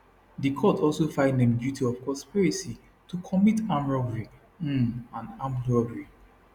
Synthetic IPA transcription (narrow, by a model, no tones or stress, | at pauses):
dikʰɔtɔlsofãɪ̃ndẽmdjutʰiɔvkɔ̃spiɹisi | tukʰɔmitãmɹɔɡɹi | ãnãmlɔɡɹi